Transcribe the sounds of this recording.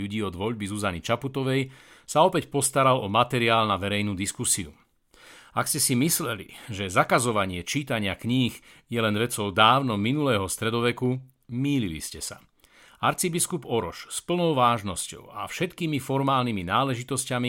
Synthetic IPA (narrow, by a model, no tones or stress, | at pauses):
uɟiːɔd̪ʋɔʎbizuzanit͡ʃaput̪ɔʋɛj | saɔpɛcpɔst̪aɾalɔmat̪ɛɾiaːlnaʋɛɾɛjnuːd̪iskusiṵ | akscɛsimislɛlḭʒɛzakazɔʋaɲɪɛt͡ʃiːt̪aɲɪakɲiːxjɛlɛnʋɛt͡sɔʊd̪aːʊnɔminulɛːɦɔst̪ɾɛd̪ɔʋɛku | miːlilḭscɛsa̰ | aɾt͡sibiskupɔɾɔʃspl̩nɔʊʋaːʒnɔscɔ̰ʊa̰fʃɛt̪kiːmifɔɾmaːlniminaːlɛʒit̪ɔscami